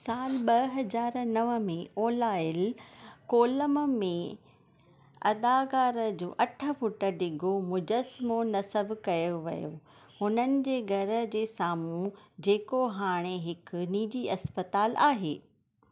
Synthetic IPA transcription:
saːlɓɐɦɐd͡ʑaːɾnɐʋə̆mẽoːlaːɪlkoːləmmẽ | ɐ̰d̪aːkaːɾəd͡ʑo̰ːʔɐʈʰə̆fʊʈə̆ɖɪɡʱomʊd͡ʑəsmonɐsəbkɐjoʋɐ̰jo̰ | hʊnənɪ̆d͡ʑeːɡʱɐɾə̆d͡ʑeːsaːmũd͡ʑeːkoɦaːɽ̃eɦɪkniːd͡ʑiɐspət̪aːlʔaːɦḛː

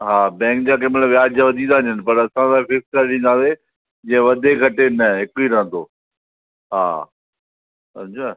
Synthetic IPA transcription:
ɦaːbɛ̃ːŋkd͡ʑaːkemɐ̃nʋjaːd͡ʑaʋɐd̪ʱĩnd̪ãːɲd͡ʑənɪ̆pɐɾɐsãsãːifɪskɐɾɗĩːnd̪ãːde | d͡ʑɐ̃ə̃ʋɐd̪ʱekʰɐʈenɐɦɪkoiɾɐɦə̃nd̪oː | ɦa̰ː | ɐt͡ɕʰaː

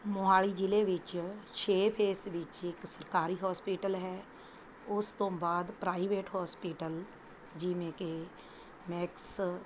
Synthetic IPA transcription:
mʊɦaːɭiːd͡ʒɪleːʋɪt͡ʃt͡ʃʰeːpʰeːsʋɪt͡ʃɪksəɾkaːɾiːɦɔːspiːʈəlɦɛː | ʊst̪õːbaːd̪pɾaːiːʋeːʈhɔːspiːʈəl | d͡ʒɪʋẽːke | mɛːks

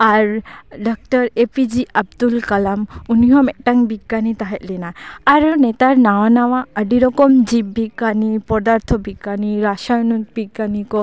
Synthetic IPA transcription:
aɾɖɔk̚ʈɔɾepid͡ʒiʔab̚d̪ulkalamuniɦɔmɛʔ̚ʈaŋbiɡːanit̪aɦɛt̪̚lɛnaːɾnɛt̪aɾnawanawãəɖiɾɔkɔmd͡ʒibːiɡanipɔd̪aɾt̪ʰɔbiɡaniɾaʃanubiɡːanikɔ

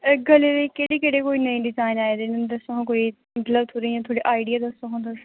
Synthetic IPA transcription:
ɡəleːɾeːkeːɽeːkeːɽeːkoːiːnəĩːɖɪzaːɪnaːed̪eːnd̪əsoɦãːkoːiː | mət̪ləbt̪ʰoɾəiːãːt̪ʰoːɽiːʔaːɪɖijaːd̪əsoɦãːd̪əs

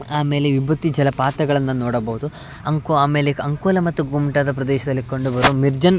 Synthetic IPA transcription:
aːme̞ːleʋibɐt̪ːid͡ʒɐlɐpaːt̪ɐɡɐɭɐnːɐnoːɽɐbɐɦud̪u | ɐŋkoaːme̞ːleɐŋkoːlɐmɐt̪ːuɡumʈad̪ɐpɾɐd̪ɛːʃɐd̪ɐlːikoɳɖubɐɾuːmiɾd͡ʒɐn

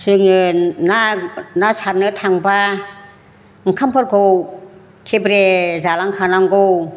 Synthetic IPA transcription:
sɯŋɯnanasaɾ̚nɯt̪ʰaŋba | ŋ̩kʰampʰɔt̚ɡow | tʰebɾezalaŋkʰanaŋɡow

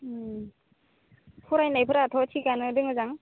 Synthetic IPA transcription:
pʰuɾajnajpʰɯɾatʰɔtʰikanɯdɯŋɯzaŋ

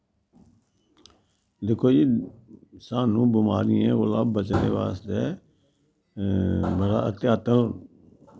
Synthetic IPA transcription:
d̪eːkʰːoːd͡ʒiː | saːnũːbɪmaːɾɪjẽːɣʊlaːbːət͡ʃnḛːʋa̰ːst̪eː | bəɽa̰ːət̪jaːt̪ə

